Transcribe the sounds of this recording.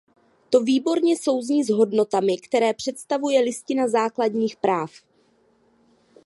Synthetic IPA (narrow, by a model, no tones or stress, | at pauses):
t̪o̞viːbo̞ɾɲɛso̞wzɲiːzɦo̞dno̞t̪amɪkt̪ɛɾɛːpr̥ɛt̪st̪avujɛlɪscɪnazaːkladɲiːxpɾaːf